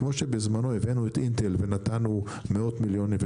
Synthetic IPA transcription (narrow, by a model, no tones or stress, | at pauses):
mo̞ʃebezmano̞evenuet̪ʔint̪elvenatanu | meo̞t̪miljo̞niv